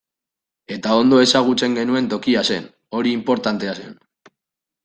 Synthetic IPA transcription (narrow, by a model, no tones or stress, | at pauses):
e̞t̪ao̞nd̪o̞e̞saɣ̞ut͡se̞ŋɡe̞nue̞nt̪o̞kiasen | o̞ɾiːmpo̞ɾt̪ant̪e̞ase̞̰n